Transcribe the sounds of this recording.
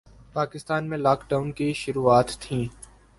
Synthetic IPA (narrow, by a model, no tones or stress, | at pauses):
paːkɪst̪aːnmẽlaːkɖaːʊnkiʃʊɾuːaːt̪ːʰĩː